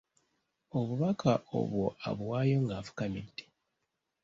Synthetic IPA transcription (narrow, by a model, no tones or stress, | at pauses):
oβuβakʰao̰βwo̞a̰βwaːjo̞ŋɡafu̥kamḛnti̥